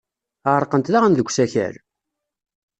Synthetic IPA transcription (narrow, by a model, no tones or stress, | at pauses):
əʁəɾˤqənt̪ðaʁænðəɡʷːsæçæ̰ɾ